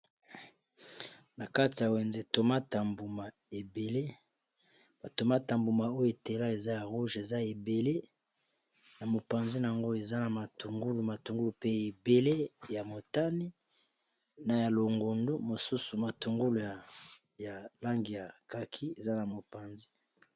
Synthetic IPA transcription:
na˨ka˦ti˨ja˨we˨nze˨to˨ma˦ta˨mbu˨ma˨ | e˨be˨le˦ | ba˨to˨ma˦ta˨mbu˨ma˨o˦jo˨e˨te˨la˦e˨za˦ja˨ʁu˦ʒe˨za˦e˨be˨le˦ | na˨mo˨pa˨nzi˦n˨a˨ŋɡo˦e˨za˦na˨ma˨tu˨ŋɡu˦lu˨ma˨tu˨ŋɡu˦lu˨pe˦e˨be˨le˦ja˨mo˨ta˦ni˦ | na˨ja˨lo˨ŋɡo˨ndo˦mo˨su˦su˨ma˨tu˨ŋɡu˦lu˨ | ja˨la˦ŋɡi˨ja˨ka˨kʰi˦e˨za˦na˨mo˨pa˨nzi˦

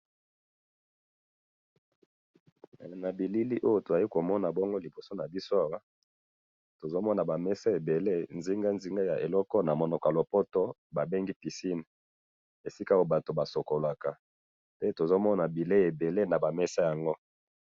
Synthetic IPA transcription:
na˨bi˨li˦li˦ʔo˦jo˦to˨a˨ji˦ko˨mɔ˦na˨bɔ˦ŋɡo˦li˨bo˨so˦na˨bi˦so˦a˨wa˦ | to˨zo˦mɔ˦na˨ba˨mɛ˦sa˦e˨be˨le˦nzi˦ŋɡa˦nzi˦ŋɡa˦ja˨ʔe˨lɔ˦kɔ˦na˨mɔ˨nɔ˨kɔ˨a˨lo˨pɔ˦tɔ˦ba˨be˦ŋɡi˦pi˨si˦n˨ | e˨si˦ka˦o˦o˦ba˨to˨ba˨so˨ko˨la˨ka˨ | pe˦to˨zo˦mɔ˦na˨bi˨le˦e˨be˨le˦na˨ba˨mɛ˦sa˦ja˨ŋɡo˦

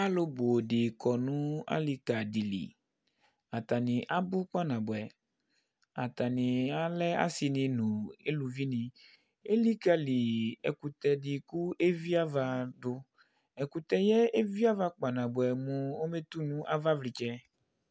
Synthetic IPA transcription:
a˦lo˦bo˨ɖɪ˨kɔ˨nũ˦a̰˦li˨ka˨di˨lḭ˨ | a˨t̪a˨nĩ˨ʔa˦bʊ˦k͡pa˦nã˨bʊ˨ɛ˨ | a˨t̪a˨nĩ˨a˦lɛ˦a̰˦si˨nĩ˨nũ˨e˦lu˨vi˦nĩ˨ | e˦li˦ka˨li˨ɛ̰˨ku˨t̪ɛ˨dɪ˨ku˦ʔe˦vi˦a˦va˨dʊ˦ | ɛ˨ku˨t̪ɛ˦˨je˦e˦vi˦a˦va˦k͡pa˨nã˨bʊ˨ɛ˨mũ˨wo˦me˦t̪u˦nũ˦ʔa˦va˦vli˨t͡ʃɛ˦

